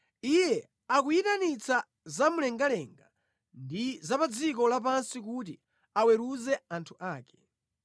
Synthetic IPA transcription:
ijɛ | ak̬ujitanit͡sa | zamulɛŋɡalɛŋɡa | ndizapad͡zikɔlap̬ansikut̬i | awɛɾuzɛantʰuʔaːkɛ̥

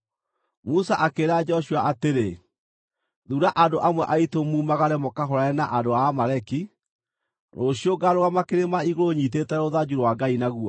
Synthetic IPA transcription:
musaʔakeɾad͡ʒɛɔʃuaʔateɾe | ðuɾaʔandoʔamwɛʔaitomuːmaɣaɾɛmɔkaɦɔɾaɛnaʔadoamaɾɛki | noɕioɡaɾoɣamakeɾemaiɣoɾoɲit̬etɛoðad͡ʑuɾwaɡainaɣuɔ

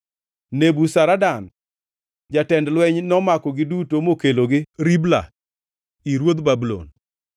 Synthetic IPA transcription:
nebusaɾadan | d͡ʒatɛndlwɛɲnɔmakɔɡɪdutomokeloɡɪɾibla̰ | iɾwod̪babulo̰n

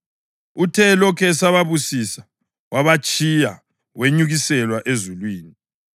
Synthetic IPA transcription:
utʰɛlɔkʰɛsaβaβusisḁ | waβat͡ʃʼija | weɲuɣisɛlwaʔezulwiːni

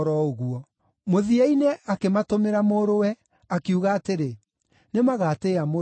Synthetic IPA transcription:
ɾɔoɣuɔ | moðiainɛakematomeɾamoɾowɛ | akiuɣaːteɾe | nemaɣaːteːamo

